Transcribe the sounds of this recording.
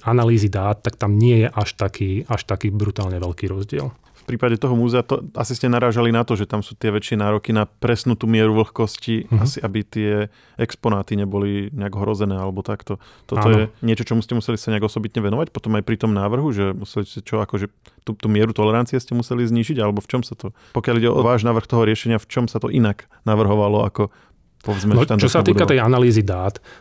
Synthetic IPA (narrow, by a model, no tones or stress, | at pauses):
analiːzid̪aːt̪ːak̚t̪amɲɪɛjɛʔaʃt̪akʰiːaʃt̪akiːbɾut̪aːlɲɛʋɛʎkiːɾɔzɟɪɛl | fpɾiːpaɟɛt̪ɔɦɔmuːzɛat̪ɔa̰siscɛnaɾaːʒalinat̪ɔʒɛt̪amsuːt̪ɪɛʋɛt͡ʃɪɛnaːɾɔkinapɾɛsnuːt̪uːmɪɛɾuʋl̩xkɔsciasiʔabit̪ɪɛ | ɛkspɔnaːt̪iɲɛbɔliɲɛaɡɔɦɾɔzɛnɛːalɛbɔt̪akt̪ɔ | t̪ɔt̪ɔjɛɲɪɛt͡ʃɔt͡ʃɔmuscɛmusɛlisaɲɛaɡɔsɔbit̪ɲɛʋɛnɔʋacpɔt̪ɔmajpɾit̪ɔmnaːʋr̩ɦuʒɛmusɛliscɛt͡ʃɔakɔʒɛ | t̪ut̪uːmɪɛɾut̪ɔlɛɾant͡sijɛscɛmusɛlizɲiːʒiɟalɛbɔft͡ʃɔmsat̪ɔ | pɔkjaliɟɛɔ̰ʋaːʒnaːʋr̩xt̪ɔɦɔɾɪɛʃɛɲɪaft͡ʃɔmsat̪ɔʔinaɡ | naʋr̩ɦɔʋalɔa̰kɔ | pɔʋzmɛnʃt̪andt͡ʃ̪ɔsatːbiːud̪kat̪ɛjanaliːzid̪aːt̪